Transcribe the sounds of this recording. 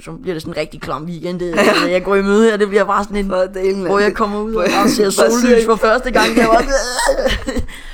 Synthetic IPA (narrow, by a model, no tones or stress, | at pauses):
sɒ̽b̥liɐɾ̥e̝sɔ̽nʁɛɡ̥̚d̥ikʰlɑmʋiːɡ̥end̥eæjɑ̈ɪɡ̥ɒimøð̞ˠhæɐd̥e̝b̥liɐb̥ɑ̈ːsɒne̝nd̥eʋɒjɑ̈ɪkʰɒ̽mɐuð̰ˠɑse̝ɐsoːly̰ːsfɒ̽fɶɐsd̥əɡ̥ɑ̈ŋ̰jɑʋɑ̈